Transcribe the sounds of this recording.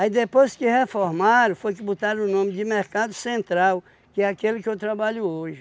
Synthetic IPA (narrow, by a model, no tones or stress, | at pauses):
aid̪epojskɪhefoɾmaɾɐ̃fojk̬ɪbut̪aɾʊnõmɪd͡ʒɪmeɾkad̪ʊsẽnt̪ɾaw | kɪɛakelɪkɪewt̪ɾabaʎʊoʒɪ